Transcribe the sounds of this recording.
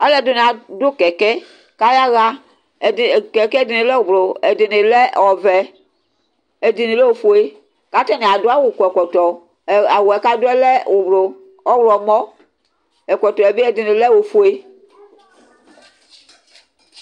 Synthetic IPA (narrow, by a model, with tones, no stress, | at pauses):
a˦lɛ˦do˦ne˨a˨do˦kɛ˨kɛ˦ | ka˦ja˦ɣa˦˨ | kɛ˨kɛ˦di˨nẽ˨lɛ˦wo˨blo˨e˨de˨ne˨lɛ˦˨ɔ˨vɛ˨ | e˨di˨ne˨lɛ˦wo˨fo˨e˦ | ka˦tɛ˦ne˨a˨do˦a˦wo˨kɔ˨ɛ˨kɔ˨tɔ˨ | a˨wo˨ɛ˨ka˦do˦ɛ˦lɛ˦wo˨blo˨ | ɔ˦wɾɔ˨mɔ˦ | ɛ˨kɔ˨t̪ɔ˨e˨be˦ɛ˨de˨ne˨lɛ˦wo˨fo˨e˦